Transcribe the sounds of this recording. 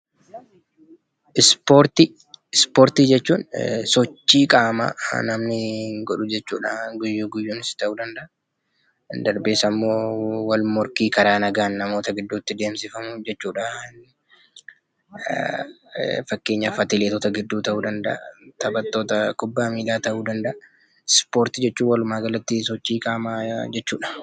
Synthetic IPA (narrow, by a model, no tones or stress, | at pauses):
ʔɪspoɾt̪i | ɪspoːɾt̪iːd͡ʒɛt͡ʃːuːnsɔt͡ʃːiːkʼaːmɐ̰nɐmnɪɡɔᶑʊd͡ʒɛt͡ʃːuːᶑɐɡʊjːuɡʊjːuːnɪst̪ɐʔuːd̪ɐnd̪ɐʔɐ | nd̪ɐɾbe̞ːsɐmːo̞ːwɐlmɔɾkiːkɐɾaːnɐɡaːnːɐmo̞ːt̪ɐɡɪd̪ːuːt̪ːɪd̪e̞ːmsɪfɐmʊd͡ʒɛt͡ʃːuːᶑɐn | fɐkːe̞ːɲːɐfɐt̪ɪleːt̪ot̪ɐɡɪd̪ːuːt̪ɐʔuːd̪ɐnd̪ɐ̰ʔt̪ɐbɐt̪ːoːt̪ɐkʊbːaːmiːlaːt̪ɐʔuːd̪ɐnd̪ɐʔɐ | spo̞ːɾt̪ɪd͡ʒɛt͡ʃːuːwɐlʊmaːɡɐlɐt̪ːɪsɔt͡ʃːiːkʼaːmad͡ʒɛt͡ʃːuːᶑɐ̥